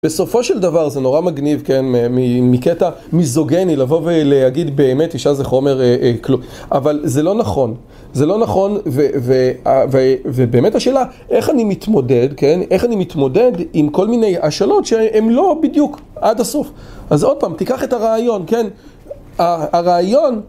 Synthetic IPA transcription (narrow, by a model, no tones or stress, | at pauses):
b̥e̞so̞fo̞ʃe̞ldavaʁzeno̞ʁamaɡnivkenmemimiketa | mizoɡenilavo̞veleaɡidbe̞ːme̞tiʃazeχo̞me̞ʁeklu | ʔavalze̞lo̞naχo̞n | ze̞lo̞naχo̞nveveavevebe̞ːme̞taʃe̞ːla | ʔe̞χanimitmo̞de̞dkene̞χanimit̪mo̞de̞dimko̞lmine̞jaʃalo̞tʃeemlo̞bidjuk | adasof | ʔazo̞d̚paːmtikaχetaʁaːjo̞nken | aaʁaːjo̞n